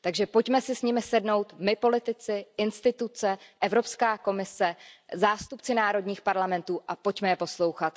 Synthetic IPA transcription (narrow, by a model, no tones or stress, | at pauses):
t̪aɡʒɛpo̞cmɛsɪsɲɪmɪsɛdno̞wt̪mɪpo̞lɪt̪ɪt͡sɪʔɪnst̪ɪt̪ut͡sɛʔɛvɾo̞pskaːko̞mɪsɛzaːst̪upt͡sɪnaːɾo̞dɲiːxpaɾlamɛnt̪uːʔapo̞cmɛjɛpo̞slo̞wxat̪